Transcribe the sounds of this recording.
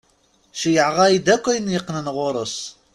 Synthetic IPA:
ʃijəʕʁɑjid̪ækʷːæjənjəqnənʁʊɾˤəsˤ

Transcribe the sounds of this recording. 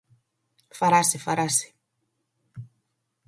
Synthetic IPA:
faɾasefaɾase̥

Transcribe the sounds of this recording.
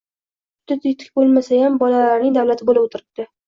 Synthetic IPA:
t̪ːɪt̪ɪt̪ʰɪ̥kʲbolˠmasajambɒlalaɾnɪŋd̪awlat̪ʰɪbolɪbot̪ʰɪɾɪp̚d̪̥ɪ

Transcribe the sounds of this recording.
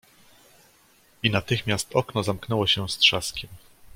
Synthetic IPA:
inat̪ɘxmʲjast̪ɔknɔzamknɛwɔɕɛst̪ʂaskʲɛm

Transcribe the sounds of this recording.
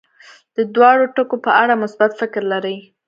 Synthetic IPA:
d̪̥əd̪wɑɽoʈəkopəʔaɽamʊsbat̪fɪkɾlaɾəj

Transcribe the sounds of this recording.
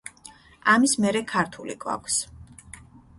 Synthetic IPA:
amismɛɾɛkʰaɾt̪ʰulḭɡʼva̰kʷʰs

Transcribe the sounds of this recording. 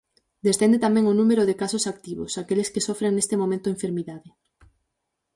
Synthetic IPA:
d̪est̪end̪et̪amẽŋonumeɾʊðekasosak̚t̪iβo̰sakelɪskesɔfɾeŋnest̪emõmẽnt̪ʊeɱfeɾmiðaðɪ

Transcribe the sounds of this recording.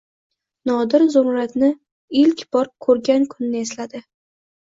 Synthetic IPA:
nɒd̪ɪɾzʊɾɾat̪nɪ | ɪlkʲbɒɾkʰɵɾɡʲankʰʊnɪnɪeslad̪ɪ

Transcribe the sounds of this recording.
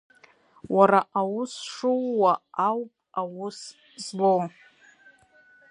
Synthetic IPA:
waɾaʔawʊsʂuwːaawpʼawʊs | zbo

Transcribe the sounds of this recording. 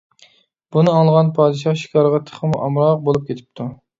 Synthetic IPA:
b̥unɨɑŋlˠʁɑnpʰɑːd̪ɨʃɑχʃi̥kʲʰɑɾʁɑt̪ʰə̥χʰəmuʔɑmɾɑq̚bolˠup̚kʲʰet̪ʰɪ̥p̚t̪ʰu

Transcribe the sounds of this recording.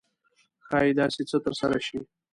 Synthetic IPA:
xɑjid̪ɑset͡sət̪əɾsaɾaʃi

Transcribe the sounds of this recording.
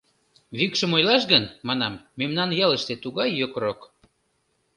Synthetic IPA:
βikʃə̆mojlɑʃɣənmɑnɑmːemnɑnjɑləʃt̪et̪uɣɑjːøkrok

